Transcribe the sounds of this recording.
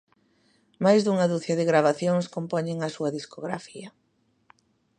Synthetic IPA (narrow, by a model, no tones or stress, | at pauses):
majzðuŋɐðuθjɐðɪɣɾaβ̞aθjoŋskompɔɲeŋɐsuɐðiskoɣɾafiɐ